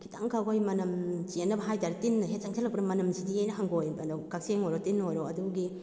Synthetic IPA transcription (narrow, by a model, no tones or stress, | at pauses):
kʰitʰaŋkʰakojmɐnɐmt͡ʃienːɐbɐɦajtaɾɐtinːɐɦet̚saŋsʰelɐk̚pnɐmɐnɐmsidiejnɐɦaŋɡojdkak̚seŋojɾotinojɾoɐduɡi